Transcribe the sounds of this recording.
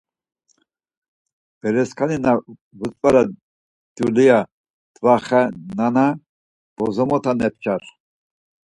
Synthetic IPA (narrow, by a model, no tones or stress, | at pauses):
b̥ɛɾɛskʰanina | vət͡s̪ʼvaɾa | d̪̥julija | d̪̥vaχɛnana | b̥ɔzɔmɔt̪ʰanɛp̚t͡ʃʼaɾ